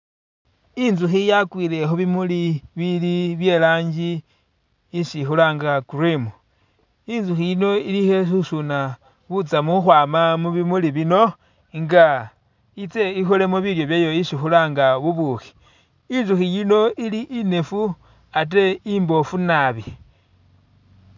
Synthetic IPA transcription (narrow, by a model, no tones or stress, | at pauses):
inzuxijakwiːlexuβimuliβiliβje̞laːɲd͡ʒiː | ʃixulaŋɡakuɾimu | inzuxijino̞ilihesusuna | βut͡samuxwaːmamuβimuliβino̞ | ŋɡa | it͡se̞ixole̞moβiljo̞βjajo̞iʃixulaŋɡaβuβuxi̥ | inzuxijino̞ʔiliʔine̞fu | at̬e̞imbo̞funaβi